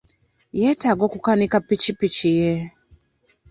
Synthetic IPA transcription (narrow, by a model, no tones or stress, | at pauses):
jɛtaɡɔkukanikapit͡ʃipit͡ʃijɛ